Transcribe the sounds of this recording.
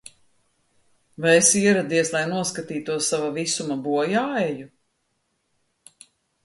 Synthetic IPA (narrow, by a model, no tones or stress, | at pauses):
vajesiɛɾad̪iɛslˠajnuɔskat̪iːt̪uɔsavavisumabuɔjaːɛju